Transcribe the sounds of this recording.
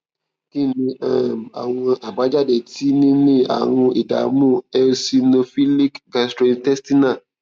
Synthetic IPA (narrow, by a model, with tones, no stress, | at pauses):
ki˦nĩ˧a˦˨m˨a̰˨w̃ɔ̃˧ʔa˨ba˨˦d͡ʒa˦de˨ti˦nĩ˦nĩ˦a̰˨w̃ɔ̃˧i˨da̰˨mũ˦ɛ˧si˧no˧fi˦li˦kɡa˨stɾo˨˧˦n˦tɛ˦sti˦nã˦˨